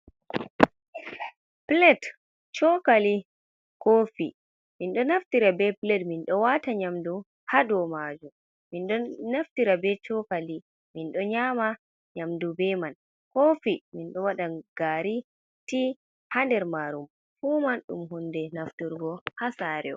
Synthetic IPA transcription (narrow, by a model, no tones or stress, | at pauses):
plɛt | t͡ʃɔkali | kofi | minɗɔnaftiɾabɛplɛtminɗɔwataɲamdu | hadɔmad͡ʒum | minɗɔnaftiɾabɛt͡ʃɔkali | minɗɔɲama | ɲamdubɛman | kofiminɗɔwaɗaɡ̥aɾi | ti | handɛɾmaɾum | fuːmanɗṵmɦundɛnaftuɾɡɔhasaɾɛ̰ɔ̰